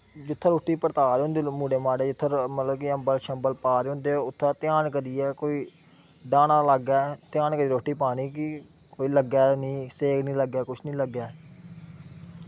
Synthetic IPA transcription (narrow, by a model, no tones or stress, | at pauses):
d͡ʒʊt̪ʰːəɾoːʈːiːpəɾt̪aːɾeːɦõnd̪eːmuːɽeːmaːɽeːd͡ʒʊt̪ʰːəɾmət̪ləbkɪəmbəlʃəmbəlpaːɾeːɦʊ̃nd̪eːʊt̪ʰːaːt̪ɪaːnkəɾiɛːkoːiː | ɖãːnãːləɡɛːt̪ɪjaːnkəɾiɾoːʈːiːpaːɽ̃iːkɪ | koːiːləɡɛːnĩːseːknĩːləɡɛːkʊt͡ʃʰnĩːləɡːɛː